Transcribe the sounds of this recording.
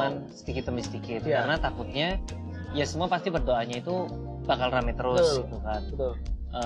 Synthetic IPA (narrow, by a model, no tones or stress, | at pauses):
ansə̥d̪ikɪt̪ːəmbisəd̪ikɪt̪̚kaənat̪akʊt̪̚ɲa | jasəmuapast̪ibərdoaɲait̪u | bakalramɛt̪əɾʊsɡit̪ukanət̪lʔə